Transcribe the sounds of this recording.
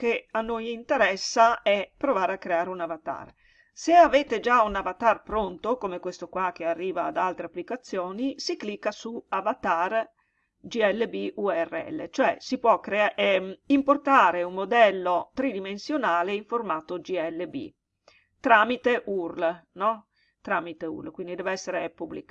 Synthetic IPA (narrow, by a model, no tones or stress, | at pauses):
keanːojint̪eɾɛsːaɛpːɾovaːɾeakːɾeaːɾeunavat̪a̰r | seaveːt̪ed͡ʒaunavat̪arpɾont̪okomekwest̪okwak̟ːearːiːvaːd̪alt̪ɾeapːlikat̪sːjoːnisiklikːasuavat̪ar | d͡ʒiɛlːebiʔuɛrːeɛ̰lːḛt͡ʃoɛ̰sipwɔkːɾeaimport̪aːɾeummod̪ɛlːot̪ɾid̪imensjonaːleiɱformaːt̪od͡ʒiɛlːebḭ | t̪ɾaːmit̪eʔurlnɔ | t̪ɾaːmit̪eṵrlkwind̪id̪ɛːveɛsːeɾepublḭk